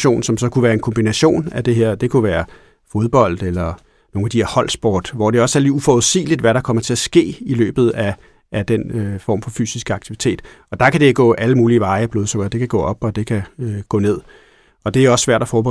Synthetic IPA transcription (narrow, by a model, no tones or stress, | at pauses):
o̝̰ːnsɒ̽msɒ̽kʰuʋæːɐe̝nkʰɒ̽mbinæɕo̝̰ːnæd̥e̝ɦeɐ̰d̥e̝kʰuʋæːɐ | fo̝ðˠb̥ɒ̽l̰d̥elɐ | no̝ːŋæd̥iheɐhɒ̽l̰sb̥ɒ̰ːd̥ʋɒd̥e̝ɒ̽sæliufɒðˠsḭːlid̥ʋæɾ̥ɑ̈kʰɒ̽mɐt͡sʰe̝æsɡ̥e̝̰ːilø̰ːb̥ð̞̩ˠæ | ʔːd̥enøfɒ̰ːmfɒ̽fy̰ːsisɡ̥əɑ̈ɡ̥̚t͡sʰiʋi̥t͡sʰe̝̰ːd̥ | ɒ̽d̥ɑ̈kʰæd̥eɡ̥ɔ̰ːʔæləmuːliːʋɑ̈ɪb̥loːð̞ˠsoɡ̥ɐd̥e̝kʰæɡ̥ɔ̰̽ːɒ̽b̥ɒ̽d̥e̝kʰæøɡ̥ɔ̰̽ːne̝ð̞̰ˠ | ɒ̽d̥e̝æjɒ̽sːʋæɐ̰d̥æfɒːb̥e